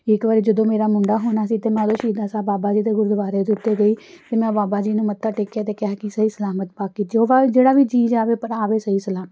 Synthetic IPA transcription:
ɪkʋaːɾiːd͡ʒəd̪õːmeːɾaːmʊɳɖaːɦoːnaːsiːt̪eːmɛ̃ːd̪õːʃiːd̪aːsaːbaːbaːd͡ʒiːt̪eːɡʊɾd̪əʋaːɾeːd̪ʊt̪ːeːɡəiːt̪eːmɛ̃ːbaːbaːd͡ʒiːnũːmət̪ːaːʈɪkːjaːt̪eːkɪaːkɪsəɦiːsəlaːmət̪̚paːkːiːt̪ːoːʋad͡ʒeːɽaːʋiːd͡ʒiːd͡ʒaːʋeːpəɾaːʋeːsəiːsəlaːmət̪

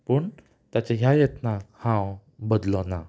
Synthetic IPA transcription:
pəɳ | t̪jat͡ɕaɦjajet̪nakhãw | bəd̪lɔna

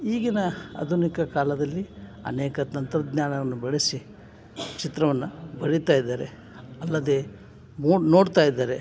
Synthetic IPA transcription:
iːɡinɐɐ̰d̪ʱunikɐkaːlɐd̪ɐlːiɐ̰nɛːkɐt̪ɐnt̪ɐɾɐd̪ɲaːɳɐʋɐnːubɐɭesi | t͡ʃit̪ɾɐʋɐnːubɐɽit̪aːjid̪ːaːɾe | ɐlːɐd̪e̞ː | moːno̞ːɽt̪aːjid̪ːaːɾe̞

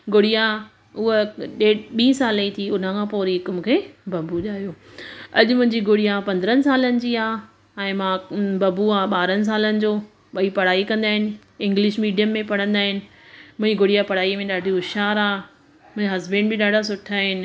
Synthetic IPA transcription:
ɡʊɽija | ʊɦɗeːɓĩːsaːleit̪ʰiʊn̤əkʰãːpoːɾiɦɪkmʊ̃kʰeːbɐbuʄaːjoːɐʄʊmʊ̃ɦɪ̃ɲd͡ʑiɡʊɽijapɐ̃nd̪ɾənɪ̆saːlənɪ̆d͡ʑiːaː | ɛ̃ːmãbɐbuaːɓaːɾənɪ̆s̬aːlənɪ̆d͡ʑoː | ɓɐipɐɽ̤aːikɐ̃nd̪aːɦɪnɪ̆ | ɪ̃ŋɡlɪʃmiːɖijəmːẽpɐɽ̤ə̃nd̪aːɦɪnɪ̆ | mʊ̃ːĩɡʊɽijapɐɽ̤aːimẽɗaːɖʱijoʊʃaːɾaː | mʊ̃ɦɪ̃aɦɐzbẽːɳɖbɪɗaːɖʱas̬ʊʈʰaːɦɪnɪ̆

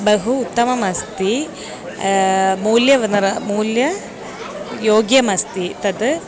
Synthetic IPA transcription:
bɐɦuːt̪ːɐmɐmɐst̪i | muːljɐʋɐnɐɾɐmuːljɐ | joːɡjɐmɐst̪it̪ɐt̪

